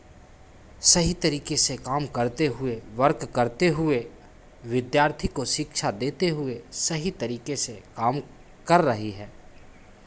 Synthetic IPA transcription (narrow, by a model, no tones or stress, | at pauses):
sɐɦit̪ɐɾiːkesekaːmkɐɾt̪eɦʊeʋɐɾkkɐɾt̪eɦʊe | ʋɪd̪jaːɾt̪ʰikoʃɪkʃad̪eːt̪eɦʊesɐɦit̪ɐɾiːkesekaːm | kɐɾːɐɦiɦɛː